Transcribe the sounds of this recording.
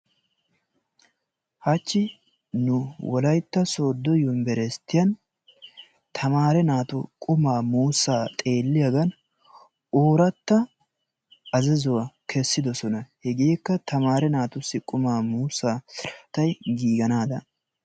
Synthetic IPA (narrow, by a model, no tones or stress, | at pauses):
hɐt͡ʃːɪ | nʊwɔlɐjt̪ːɐso̞ːd̪ːɔjʊmbɛɾɛst̪ːɪjɐn | t̪ʰɐmaːɾɛnaːt̪ʊkʼʊmaːmuːsːaːt̪ʼe̞ːlːɪjɐɡɐn | oːɾɐt̪ːɐ | ɐzɛzʊwakʰɛsːɪd̪ɔsɔnɐhɛɡeːkːɐt̪ʰɐmaːɾɛnaːt̪ʊsːɪkʼʊmaːmuːsːaːt̪ɐjɡiːɡɐnaːd̪ɐ